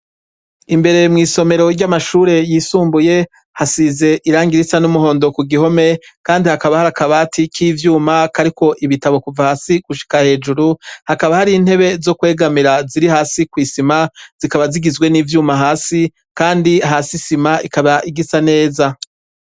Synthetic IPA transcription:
imbe̞ɾe̞mŋiːso̞me̞ɾo̞ɾɟamaʃuːɾe̞jiːsuːmbuje̞ | hasize̞ʔiɾaːŋɡiɾisanumuɦo̞ːndo̞kuɡiɦo̞me̞kaːndihakaβahaɾakaβatʰikʰivjuːmakaɾiko̞ʔiβitaβo̞kuvahaːsiɡ̥uʃi̥kahe̞ːd͡ʒuɾuhakaβahaɾin̥he̞βe̞zo̞kwe̞ːɡamiɾaziɾihaːsikwiːsimaz̥ikaβaziɡizɡwe̞niːvjuːmaɦaːsi | kaːndiɦaːsisimaʔikaβaʔiɡisane̞ːza

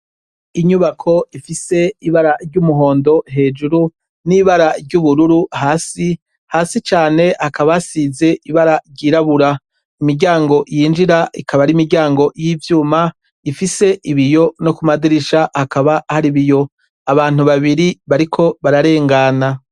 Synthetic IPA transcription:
iɲuβakʰo̞ifise̞iβaɾaɾɟumuɦo̞ːndo̞ɦe̞ːd͡ʒuɾu | niːβaɾaɾɟuβuɾuɾuɦaːsi | haːsit͡ʃaːne̞hakaβasize̞ʔiβaɾaɾɟiːɾaβuɾa | imiɾɟaːŋɡo̞jiːnd͡ʒiɾaʔḭkʰaβaɾimiɾɟaːŋɡo̞jiːvjuːma | ifise̞ʔiβijo̞no̞kumadiɾiʃahakaβahaɾiβijo̞ | aβaːn̥uβaβiɾiβaɾikʰo̞βaɾaɾe̞ːŋɡana

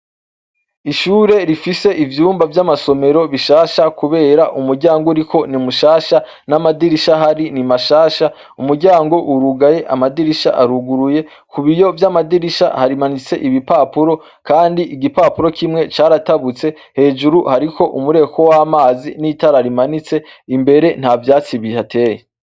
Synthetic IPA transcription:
iʃuːɾe̞ɾifise̞ʔivjuːmbavjamaso̞me̞ɾo̞βiʃaːʃakuβe̞ːɾaʔumuɾɟaːŋɡouɾikʰo̞nimuʃaːʃa | namadiɾiʃaɦaɾinimaʃaːʃa | umuɾɟaːŋɡo̞ʔuɾuɡaje̞ʔamadiɾiʃa̰ʔaɾuɡuɾuje̞ | kuβijo̞vjamadiɾiʃa̰haɾimanit͡sḛʔiβipaːpuɾo̞ | kaːndiʔiɡipaːpuɾo̞kʰimŋe̞t͡ʃaːɾataβut͡se̞ | he̞ːd͡ʒuɾuhaɾikʰo̞ʔumuɾe̞ko̞waːmaːzinitaɾaɾimanit͡se̞imbe̞ɾe̞n̥havjaːt͡siβihatʰe̞ːje

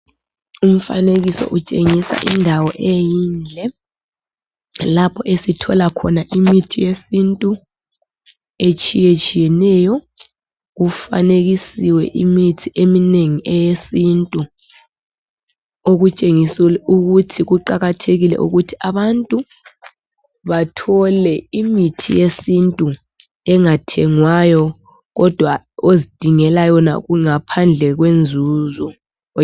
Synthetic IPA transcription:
um̩fa̰neɣisɔ̰ʔut͡ʃʼeŋisa̰ʔindʱawɔʔejiːnd͡ɮʱɛ | lapʰɔʔesitʰɔlakʰɔnaʔimitʰijesintʼu | et͡ʃʼʰijet͡ʃʼʰijɛnɛjɔ | ɣufa̰neɣisiwɛ̰ʔimitʰiʔemineŋiʔɛjesintʼu | oɣut͡ʃʼeŋisiluɣutʰiɣuǃaɣatʰeɣilɛ̰ʔṵɣutʰiaβantʼu | βatʰɔlɛimitʰḭjesintʼu | ɛŋatʰɛŋwajɔ | ɣɔd̥ʱwa | ozid̥ʱiŋɛlajɔna̰ɣuŋapʰand͡ɮʱɛɣwend͡zʱuzɔ

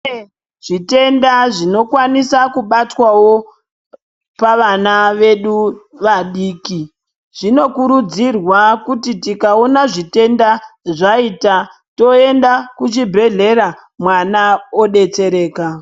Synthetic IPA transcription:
ʐ̥ite̞ndaʐino̞kwanisakuɓatwawo̞ | paʋanaʋe̞ɗuʋaɗiːki | ʐ̥ino̞kuɾud͡zirwakutitikaonaʐite̞ndaʐaiːta | to̞e̞ndakut͡ʃibʱe̞ɮe̞ɾa | mwanao̞ɗe̞t͡se̞ɾe̞ːka

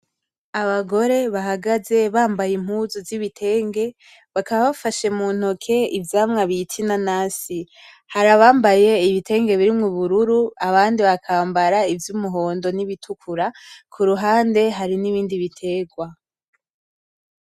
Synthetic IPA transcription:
aβaɡo̞ɾe̞βaɦaɡaze̞βaːmbajim̥huːzuziβitʰe̞ːŋɡe̞ | βakaβaβafaʃe̞muːn̥hokʰe̞ivjaːmŋaβitʰinanaːsi | haɾaβaːmbaje̞iβitʰe̞ːŋɡe̞βiɾimŋuβuɾuɾuaβaːndiβakʰaːmbaɾaivjumuɦo̞ːndoniβitʰukʰuɾakʰuɾuɦaːnde̞ɦaɾiniβiːndiβitʰe̞ːɡwa

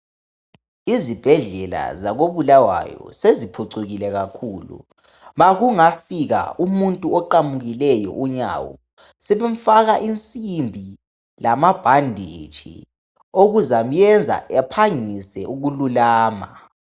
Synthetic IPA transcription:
izib̥ʱɛɮɛla̰zaɣoβulawa̰jɔ̰sezipʰuǀuɣilɛɣakʰuːlṵ | βaɣuŋafiɣa̰umuntʼuɔǃamuɣilɛjɔ̰ʔuɲa̰wɔ̰ | sɛβɛɱ̩faɣaʔint͡sʼimbʱi | lamab̥ʱandʱit͡ʃʰʼḭ | oɣuzam̩jɛnd͡zʱa̰ʔɛpʰaŋisɛ̰ʔuɣululaːma

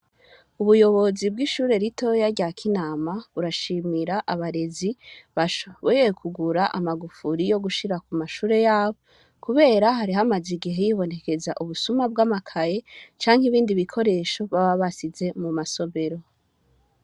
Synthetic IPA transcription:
uβujo̞βo̞zibɡiʃuːɾe̞ɾito̞jaɾɟakʰinaːmaβuɾaʃiːmiɾaʔaβaɾe̞ziβaʃoβojekʰuɡuɾaʔamaɡufuɾijo̞ɡuʃiɾakumaʃuːɾe̞jaːβo | kuβe̞ːɾaɦaɾiɦamaziɡiɦe̞jiβo̞ne̞ke̞za̰ʔuβusumab̚ɡaːmakʰaje̞t͡ʃaːŋɦiβiːndiβikʰo̞ɾe̞ːʃo̞βaβaβasize̞mumaso̞βe̞ɾo̞

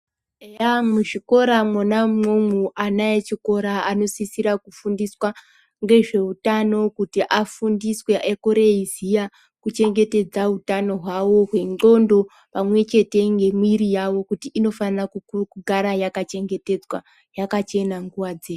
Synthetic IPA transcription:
ejamuʐiko̞ɾamwonamomuʔanajet͡ʃiko̞ɾaano̞sisiɾakufundiswa | ŋɡe̞ʐe̞utano̞kutiʔafundiswe̞ʔekoɾeizija | kut͡ʃe̞ŋɡe̞te̞d͡zautano̞ɦwawo̞ɦwe̞no̞ndo̞ | pamwe̞t͡ʃe̞te̞ŋɡe̞mwiɾijawo̞kutiʔino̞fanrakuukuɡʱaɾajakat͡ʃe̞ŋɡe̞te̞d͡zwa | jakat͡ʃe̞naŋɡuʋad͡zeːu

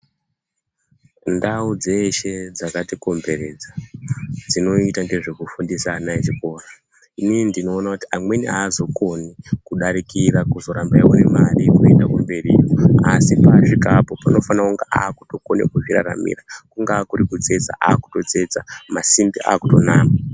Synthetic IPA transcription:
ndaud͡ze̞ʃe̞d͡zakatiko̞mbe̞ɾe̞ːd͡za | d͡zino̞itaŋɡe̞ʐe̞kufundisaːnaet͡ʃiko̞ːra | inindino̞ːnakuti̥amwe̞nḭaːzo̞ko̞nikuɗaɾikiɾakuzo̞ɾambaewonemarikue̞̰ndakumbe̞rḭːjoasipaʂikapo̞pano̞fanauŋɡaʔaːkuto̞ko̞nekuʐira̰ɾa̰mḭrakuŋɡaːkuɾikud͡ze̞d͡za̰ʔaːku̥to̞d͡ze̞d͡zamasimbiʔa̰ːkuto̞naːma

